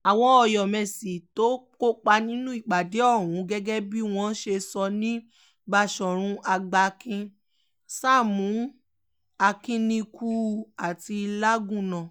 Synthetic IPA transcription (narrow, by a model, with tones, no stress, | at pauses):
a˨w̃ɔ̃˧ɔ˧jɔ˨mɛ̃˨si˨to˦ko˦k͡pa˧nĩ˦nũ˦i˦˨ɡ͡ba˨de˨˦ɔ˦˨ɾ̃ũ˨˦ɡɛ˦ɡɛ˦bi˦w̃ɔ̃˧˦ʃe˧sɔ˧nĩ˦ | ba˧ʃɔ˨ɾ̃ũ˧ʔa˧ɡ͡ba˧kʰĩ˧ | sa˦˨mũ˨˦ | a˧kĩ˧nĩ˧ku˦˨a˨ti˧la˦ɡũ˦˨nã˨